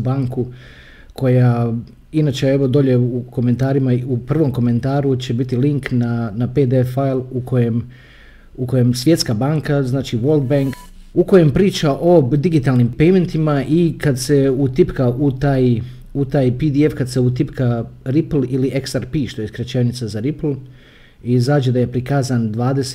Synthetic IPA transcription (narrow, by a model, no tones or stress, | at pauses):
baːŋku | kʰo̞ja | inaːt͡ʃe̞eʋo̞d̪o̞ʎe̞uko̞me̞nt̪aːɾimaupr̩ʋo̞mko̞me̞nt̪aːɾut͡ɕe̞bit̪iliŋknanaped̪efajlˠukʰo̞jem | uko̞je̞msʋje̞t̪skabaːŋkaznaːt͡ʃiʋolˠd̪̚baŋk | uko̞je̞mpɾiːt͡ʃaʔo̞d̪iɡit̪aːlˠnimpejme̞nt̪imaʔikad̪se̞ut̪ipkaʔut̪aːj | ut̪aːjpid̪iefkad̪seut̪ipkaɾiplˠiliʔeksaɾpiːʃt̪o̞jskɾet͡ʃenit̪sazaɾipl̩ˠ | izaːd͡ʑed̪aje̞pɾikaːzand̪ʋaːd̪ese̥